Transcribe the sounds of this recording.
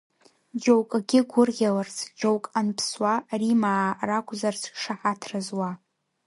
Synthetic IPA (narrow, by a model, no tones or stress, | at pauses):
d͡ʒowkʼaɡʲɪɡʷʊrɣʲalart͡sʰʼd͡ʒowkʼanpʰswarimaːrakʷʰʼzarzʰʂaħatʰrazwa